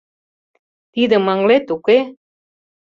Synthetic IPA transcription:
t̪id̪ə̆mɑŋlet̪uke

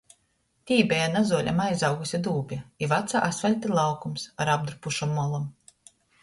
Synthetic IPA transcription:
t̪ʲiːbʲɛjanazuɔlʲʔa̰majzawɡusʲid̪uːbʲiivat̪sa̰ʔasvʲɛlʲt̪ilˠawkumsaɾab̚d̪ɾupuʃɔmːɔlˠam

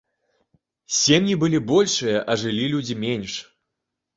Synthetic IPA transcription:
sʲemʲjʲibɨlʲibɔlʲʂɨjɐʔɐʐɨlʲilʲud͡zʲimʲenʲʂ

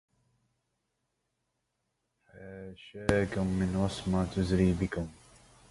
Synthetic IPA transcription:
ħaːʃaːkʊmːɪnwɑsˤmat̪ʊzɾiːbɪkʊm

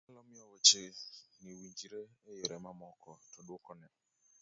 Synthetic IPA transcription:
alɔmɪɔwɔt͡ʃeniwiɲd͡ʒiɾeːjeɾɛmamɔkɔtɔɗwokɔnɛ

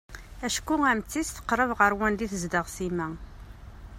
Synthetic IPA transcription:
æʃkuæmt͡sːisθə̥qːɾˤəvʁəɾwænd̪iθəzd̪əʁsimæ

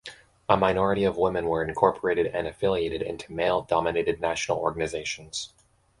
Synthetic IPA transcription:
əmaɪnɔɹɨɾiʌvwɪ̃mɨ̃nwə˞ɨ̃nkʰɔɹpʰə˞eɪɾɨɾɨ̃nɨfɪlˠieɪɾɨɾɪ̰̃ntʰʉmeɪlˠdɑmɨneɪɾɨdⁿnæʃn̩l̩ˠɔ̰ɹɡənɨzeɪʃn̩z̥

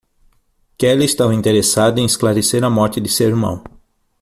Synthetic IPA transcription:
kɛlɪest̪avɐĩnt̪eɾesad̪ʊẽj̃esklaɾeseɾɐmɔɾt͡ʃɪd̪ɪsewiɾmɐ̰̃w̃

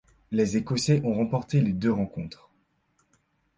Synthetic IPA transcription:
lezekɔseʔɔ̃ʁɑ̃pɔʁt̪eled̪øʁɑ̃kɔ̃t̪χ

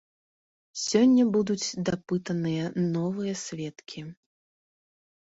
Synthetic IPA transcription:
sʲɔnʲːɐbud̪ut͡sʲd̪apɨt̪ɐnɨjɐnɔvɨjɐsʲvʲɛt̪kʲʰi

